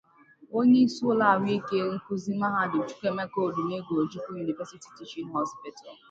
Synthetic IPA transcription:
o˦ɲe˦su˦ʊ˦la˨wi˦i˦ke˦ŋ̩˦ku˦zi˦ma˦ɦa˦dʊ˨d͡ʒu̥˦ke˦me˦ko˦˨du˨ne˦ɡʷo˨o˨d͡ʒu˦ku˦ju˨ni˨vɛ˦si˦ti̥˨ti˨t͡ʃi˦n˦ɦɔ˦spɪ˦ta˨l

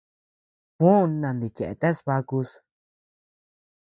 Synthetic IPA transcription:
pũ˦˧nːã˧nd̪i˨t͡ʃe˨ʔḛ˨t̪e˦sβa˧ku˧s

